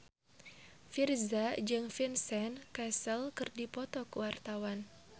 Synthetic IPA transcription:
firzad͡ʒɨŋfinsɛnkɛsəlkɨrdipɔt̪ɔkuwart̪awan

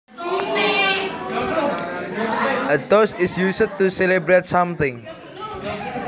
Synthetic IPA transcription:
ədosɪsjus̚tːusɛlibɹet̚sãmt̪ɪ̃ŋ

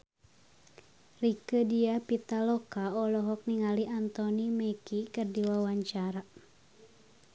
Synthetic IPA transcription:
rikədiapit̪alɔkaɔlɔɦɔk̚niŋaliʔant̪ɔnimekikərdiwawaɲt͡ʃaɾa

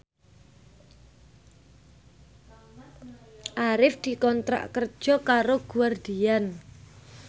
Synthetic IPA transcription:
ʔaɾɪfd̪̥i̤kɔnt̪ɾa̰ʔkər̥ʒ̥ɔ̤kaɾoɡ̥uward̪̥ian

